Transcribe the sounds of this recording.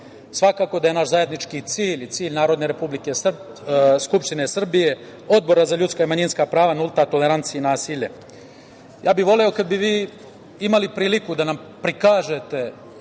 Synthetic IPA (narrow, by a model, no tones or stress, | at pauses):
sʋakako̞d̪ajenaʃzaje̞d̪nit͡ʃkit̪siːʎʲt̪siːʎnaːɾo̞d̪ne̞ɾepublike̞sr | skupʃt̪inesr̩bije̞ | o̞d̪̚bo̞ɾazaʎut̪skaimaɲinskapɾaːʋanulˠt̪at̪o̞le̞ɾant̪siiːnaːsiʎe | jaːbiʋo̞leo̞kad̪biʋiː | imalipɾiːlikud̪anam | pɾikaːʒe̞t̪e̞